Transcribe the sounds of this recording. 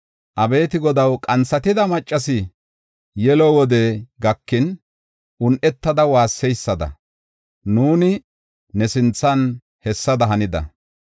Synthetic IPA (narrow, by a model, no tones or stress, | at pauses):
ʔɐbeːt̪ɪɡɔd̪ɐwkʼɐnt͡sːɐt̪ɪd̪ɐmɐt͡ʃʼːɐsɪ | jɛlɔwɔd̪ɛɡɐkːɪn | ʊnʔɛt̪ːɐd̪ɐwaːsːɛjsːɐd̪ɐ̰ | nuːnɪ | nɛsɪnt͡sːɐn | hɛsːɐd̪ɐɦɐnɪd̪ɐ̰